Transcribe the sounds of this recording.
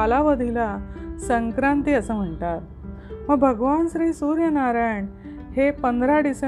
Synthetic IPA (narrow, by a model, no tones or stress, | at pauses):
alaʋəd̪ʱilasəŋkɾant̪iːəsəːm̤əɳʈ̪aɾ | məɡbʱəɡʋanɕɾiːsuːɾjənaɾajɳ | hepənd̪ʱɾaɖise